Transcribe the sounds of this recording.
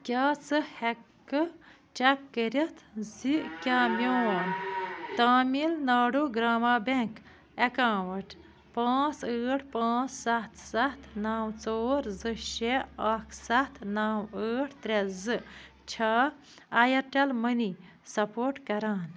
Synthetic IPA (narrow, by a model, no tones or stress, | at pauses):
kʲaːt͡sɨhekː | ɨ | t͡ʃɐkːəɾit̪ʰzikʲaːmʲjoːwaːnt̪aːmilnaːɖoɡɾaːmaːbeŋk | ɐkãːwɐʈ | pãːt͡səːʈʰpãːt͡ssɐt̪ʰsɐt̪ʰnaːwt͡soːɾzɨɕeakʰsɐt̪ʰnaːwəːʈʰt̪ɾezɨ | t͡ʃʰaː | jɐʈɐlməni | sɐpoːʈkɐɾaːn